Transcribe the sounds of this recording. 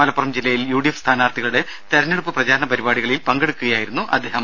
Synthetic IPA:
ɐlɐpːurɐmd͡ʑilːɐjiljuːɽijɐfst̪ʰaːnaːrt̪ʰiɣɐɭuɽe̞ | t̪ɐɾɐnːeɽupːɨprɐd͡ʑaːɾɐɳnɐpɐɾibaːɽiɣɐɭilpɐŋɡe̞ɽukːuɣɐjaːjiɾunːuʔɐ̰d̪ʱːe̞ːɦɐm

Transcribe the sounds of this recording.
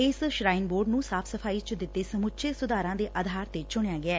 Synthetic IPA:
ɪsʃɾaːɪnboːɾɖnũːsaːpʰsəpʰaːiːt͡ʃəd̪ɪt̪ːeːsəmʊtːt͡ʃʰeːsʊd̪aːɾãːd̪eːʔəd̪ʱaːɾt̪eːt͡ʃʊɳ̃ejaːɡɪɛː

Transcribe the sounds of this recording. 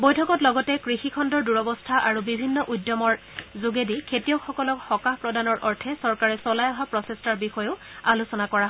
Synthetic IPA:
bojtʰɔkɔtlɔɡɔtɛkɹixikʰɔndɔɹduɹɔbɔstʰaʔaɹubibʱinːɔʔujdjɔmɔɹ | zuɡedikʰetijɔkxɔkɔlɔkxɔkahpɹɔdanɔɹʔɔɹtʰɛsɔɹkaɹɛsɔlajɔɦapɹɔsestaɹbixɔjoʊ | alusɔnakɔɹaɦɔ

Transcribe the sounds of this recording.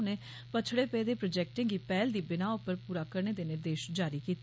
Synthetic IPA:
neː | pət͡ʃʰɽeːpɛd̪eːpɾoːd͡ʒɛːk̚ʈẽŋɡiːpɛːld̪iːbɪnaːʊpːəɾpuːɾaːkəɾɳeːd̪eːneːd̪eːʃd͡ʒaːɾiːkiːt̪ː

